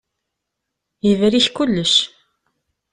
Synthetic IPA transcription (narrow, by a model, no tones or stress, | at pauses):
jəvɾiçkʊlːəʃ